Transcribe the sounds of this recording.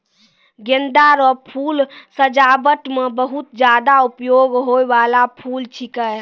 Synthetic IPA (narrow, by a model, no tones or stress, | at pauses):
ɡend̪aɾɔpʰulsəd͡ʒabəʈmebəɦut̪d͡ʒad̪aupjoɡɦojʋalapʰult͡ʃʰikəj